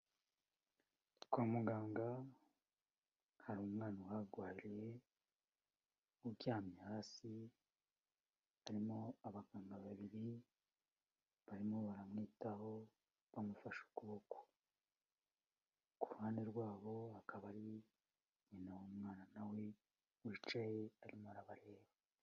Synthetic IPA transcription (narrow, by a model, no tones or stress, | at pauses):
kwaːmuɡaːŋɡa | haɾuːmŋaːnawaɡwaːjiɾije | ubjaːmɲaɾasi | βaɾimo̞aβaɡaːŋɡaβaβiɾi | βaɾimoβaɾamŋiːtaɦo̞ | βamufaʃu̥kuβoko̥ | kuɾuhaːnde̞ɾɡwaːβo̞akʰaβaɾi | ɲinawumŋaːnanawe | wiːt͡ʃajeaɾimohaɾaβaɾe̞ːwaa